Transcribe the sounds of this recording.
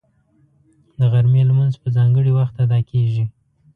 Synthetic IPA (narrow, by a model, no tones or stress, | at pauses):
d̪əɣaɾmelamanzpəzɑŋɡəɽiwaxt̪ad̪ɑkʰeʒi